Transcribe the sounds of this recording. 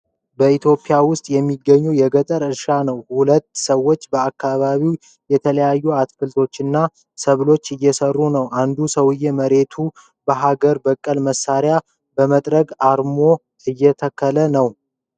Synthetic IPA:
bəit̪ʰjo̞pʼɪjawʊst̪ʼjɛmːiɡːəɲːujɛɡət̪ʼəɾɨɾʃanəwhulət̪ːsəwːo̞t͡ʃːbəakːaβaβiw | jɛt̪ʰələjajːuat̪fɨlt̪ʰo̞t͡ʃːɨnːa | səβlo̞t͡ʃːɨjːɛsərːunəwʔand̪usəwɨjːeməɾe̞t̪ʰu | bəɦaɡəɾbəkʼːəlməsaɾja | bəmət̪ʼɾəɡaɾmo̞ | ɨjːɛt̪ʰəkʰːələnəw

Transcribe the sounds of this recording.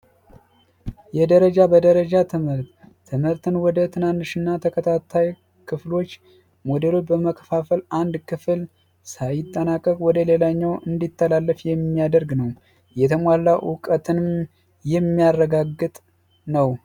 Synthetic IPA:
jɛd̪əɾəd͡ʒabəd̪əɾəd͡ʒat̪ʰɨmhɨɾt̪ʰː | ɨmhɨɾt̪ɨnwɔd̪ət̪ʰɨnanːɨʃɨnːat̪ʰəkʰət̪ʰat̪ʰːaj | kʰɨflo̞t͡ʃː | mod̪elo̞t͡ʃbəməkʰəfafəland̪kʰɨfɨl | sajɪt̪ʼːənakʼːəkʼwɔd̪əlelaɲːawʔɨnd̪it̪ʰːəlalːəfjɛmːijad̪əɾɡnəw | jɛt̪ʰəmwalːaʔʊkʼət̪ʰɨnm | jɛmːijarːəɡaɡːɨt̪ʼ | nəw

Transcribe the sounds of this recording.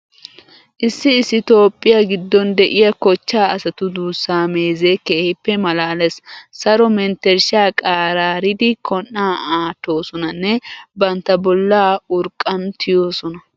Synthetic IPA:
ʔɪsːɪːsːɪt̪o̞ːpʼːɪjaːɡɪd̪ːɔnd̪ɛʔɪjɐkɔt͡ʃːaːɐsɐt̪ʊd̪uːsːaːmeːzeːkeːhɪpːɛmɐlaːlɛssɐɾɔmɛnt̪ɛɾʃaːkʼaːɾaːɾɪd̪ɪkʰɔnːaːaːt̪ːo̞ːsɔnɐnːɛbɐnt̪ːɐbɔlːaːʊɾkʼːɐnt̪ʰɪjo̞ːsɔnɐ

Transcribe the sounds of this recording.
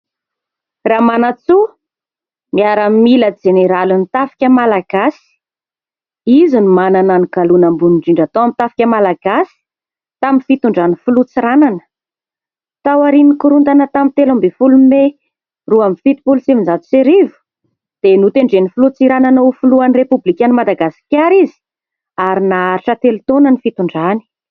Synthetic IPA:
ramanat͡su | miaɾamiləd͡ʒeneɾalunit̪afi̥kʲəmalaɡasi̥ | izinumanananiɡalunambuniɳɖ͡ʐiɳɖ͡ʐat̪oamit̪afḁkʲəmalaɡasi̥ | t̪aminfit̪uɳɖ͡ʐanifulut͡siɾananə̥ | t̪awaɾinikuɾunt̪anət̪amint̪elambefulume | ruamifit̪i̥pulsivinzat̪u̥seɾivu̥ | d̪̥enut̪eɳɖ͡ʐenifulut͡siɾananoufuluanirepublikʲanimad̪aɡasi̥kʲaɾizi̥ | aɾinaaɾiʈ͡ʂət̪elut̪onənifit̪uɳɖ͡ʐani̥

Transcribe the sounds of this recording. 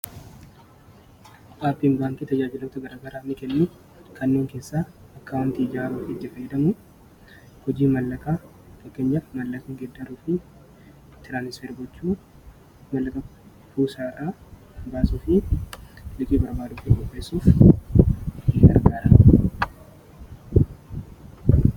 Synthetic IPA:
ʔaːpːiŋbaːŋkɪt̪ɐd͡ʒaːd͡ʒɪlot̪ɐɡɐɾaːɡɐɾaːmɪkɛnːʊ | kɐnːuːŋke̞ːsːaːɐkːɐwɐnt̪ɪːd͡ʒaːɾuːfɪt̪ːɪfɐjɛd̪ɐmʊ | hɔd͡ʒiːmɐlːɐkaː | fɐkːeːɲːɐmɐlːɐkɪŋɡɛd̪ːɐɾuːfɪ | t̪ɪɾaːnɪsfɛɾbɔt͡ʃːuː | mɐlːɐkʼɐ | fuːsaːraː | baːsuːfɪ | lɪkʼiːbɐɾbaːd̪ʊfɪɔpːeːsːuːf | ɪɐ̰ɾɡaːɾɐ

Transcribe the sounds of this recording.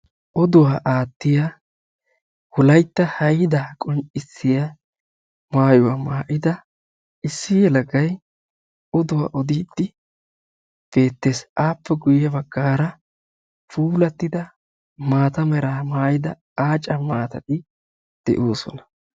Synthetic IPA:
ʔɔd̪ʊwaːʔaːt̪ːɪjɐ | wʊlɐjt̪ːɐhɐjɪd̪ɐkʼɔnt͡ʃʼɪsːɪjɐ | maːjʊwamaːʔɪd̪ɐ | ʔɪsːɪjɛlɐɡɐj | ɔd̪ʊwa̰ːʔɔd̪iːd̪ːɪ | b̥e̞ːt̪ːe̞ːsʔaːpːɛɡʊjjɐbɐɡːaːɾɐ | fuːlɐt̪ːɪd̪ɐ | maːt̪ɐmɛɾaːmaːjɪd̪ɐ | aːt͡ʃʼɐmaːt̪ɐt̪ɪ | d̪̥ɛ̰ʔoːsɔ̰nɐ̥

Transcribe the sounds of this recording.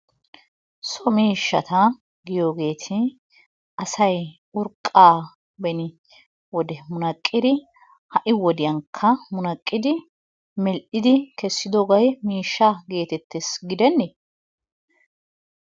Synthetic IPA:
sɔmiːʃːɐt̪ɐ | ɡɪjo̞ːɡe̞ːt̪ʰɪ | ɐsɐj | ʊɾkʼːaː | bɛnɪ | wɔd̪ɛmʊnɐkʼːɪd̪ɪ | hɐʔɪwɔd̪ɪjɐŋkʰːɐmʊnɐkʼːɪd̪ɪ | mɛlʔɪd̪ɪkɛsːɪd̪oːɡɐjmiːʃːaɡe̞ːt̪ɛt̪ːɛsɡɪd̪ɛnːɪ

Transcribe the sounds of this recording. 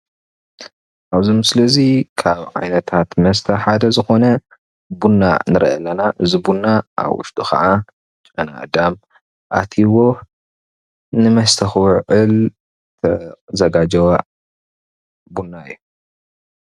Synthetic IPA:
ʔaβzimsɨlɐzikʰaβʕa̰jnɐt̪ʰat̪mɐst̪ʰɐħad̪ɐzɨxo̞nɐ | bunːa̰nɨɾʔɐ̰lːɐnaʔɨzibunːaʔa̰βʔʊ̰ʃt̪ʰʼuxɐ̰ʕa | t͡ʃʼɐna̰d̪am | ʔa̰t̪ʰiwo̞ | nɨmɐst̪ʰɐxwʕʕɨl | t̪ʰɐzɐɡad͡ʒɐw | bunːaɨjːu

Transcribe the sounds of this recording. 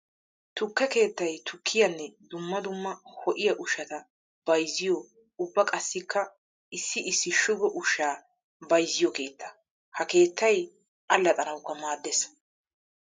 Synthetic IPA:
t̪ʊkːɛke̞ːt̪ːɐjt̪ʰʊkʰːɪjɐnːɛd̪ʊmːɐd̪ʊmːɐhɔʔɪjɐʔʊʃɐt̪ɐ | b̥ɐjzɪjɔ | ʊbːɐkʼɐsːɪkʰːɐ | ɪsːɪɪsːɪʃʊɡɔʔʊʃaː | bɐjzɪjɔke̞ːt̪ːɐ̥ | hɐke̞ːt̪ːɐj | ʔɐlːɐt̪ʼɐɾɐwkːɐmaːd̪ːɛs

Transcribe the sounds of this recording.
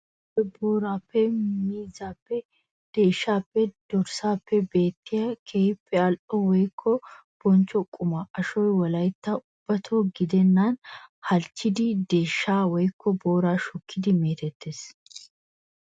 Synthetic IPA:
pɛboːɾaːpːɛmiːzaːpːɛ | d̪̥e̞ːʃːaːpːɛd̪̥ɔɾsaːpːɛbe̞ːt̪ːɪjɐkʰeːhɪpʰːɛɐlʔɔwɔjkʰːɔ | b̥ɔnt͡ʃːɔkʼːʊmɐʔɐʃɔjwɐlɐjt̪ːɐʔʊb̥ːɐt̪ʰoːɡɪd̪ɛnːanhɐlt͡ʃːɪd̪ɪd̪e̞ːʃːaːwɔjkʰːɔboːɾaːʃɔkʰːɪd̪ɪme̞ːt̪ɛt̪ːeːs

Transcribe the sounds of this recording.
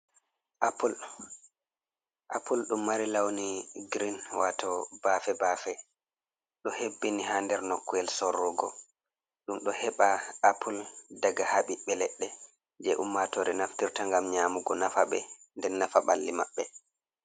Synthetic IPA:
ʔapul | ʔapulɗumːaɾilawniɡɾinwatʰɔbafɛbafɛ | ɗɔhebːiniɦandɛɾnɔkːuɛlsɔrːɔɡɔ | ɗumɗɔhɛɓaapʰuldaɡahaɓiɓɛlɛɗːɛ | d͡ʒɛʔumːatɔɾɛnaftiɾtaŋɡamɲaːmuɡɔnafaɓɛ̰ | ndɛnːafaɓa̰lːimaɓːɛ

